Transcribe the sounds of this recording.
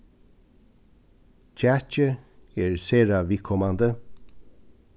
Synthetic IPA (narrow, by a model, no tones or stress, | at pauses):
c͡çʰæt͡ʃəeːɹseːɹɑʋɪkʰɔmɑnd̪ə